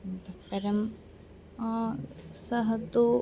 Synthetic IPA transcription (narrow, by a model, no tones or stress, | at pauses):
mt̪ɐpːɐɾɐm | sɐɦɐt̪u